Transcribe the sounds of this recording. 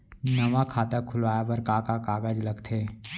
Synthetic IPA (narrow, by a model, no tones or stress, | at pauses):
nɐʋakʰaːt̪akʰʊlʋaːjabɐɾkaːkakaːɡəd͡ʒlɐɡt̪ʰeː